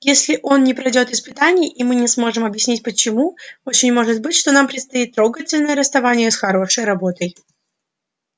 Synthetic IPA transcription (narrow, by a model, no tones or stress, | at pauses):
jesʲlʲɪʔo̞nnʲɪpɾɐjdʲo̞t̪ɪspɨt̪anʲɪjʔimɨnʲɪsmo̞ʐɨmɐbjɪsʲnʲit̚ʲpət͡ɕɪmuot͡ɕɪnʲmo̞ʐɨt̪̚bɨtʲʂt̪o̞nampɾʲɪt̪st̪ɐit̪ːɾo̞ɡətʲɪlʲnəjəɾəst̪ɐvanʲɪjəsxɐɾoʂəjɾɐbo̞t̪əj